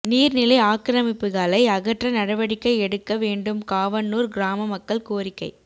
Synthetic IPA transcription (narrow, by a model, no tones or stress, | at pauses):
niːɾnɪlɐɪaːkɾɐmɪpːɯɣaːlɐɪɐɣɐʈrɐnɐɽɐʋɐɽɪkːɐɪɛɽɯkːɐʋeːɳɖɯmkaːʋɐnːuːɾɡɾaːmɐmɐkːɐɭkoːɾɪkːɐɪ